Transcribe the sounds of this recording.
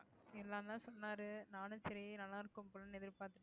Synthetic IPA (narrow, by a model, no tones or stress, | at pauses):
ɛlːãːnd̪ãːsɔnːaːɾɯnaːnɯ̃sɛɾɪnɐlaːɾɯkːɯmpɔlɐnɛðɪɾpaːɾt̪ɯʈː